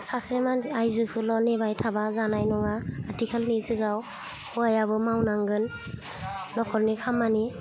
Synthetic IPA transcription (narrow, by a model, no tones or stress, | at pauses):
sasemanajzɯkʰɯlɔnebajtʰabazanajnɔŋaːtʰikʰalnizɯɡaw | hɔajabɯmawnaŋɡɯnː | ɔkʰɔɾnikʰamːani